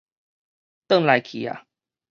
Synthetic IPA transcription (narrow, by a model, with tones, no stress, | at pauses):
t̪ə˥˨ŋla˨jkʰi˨a̰˨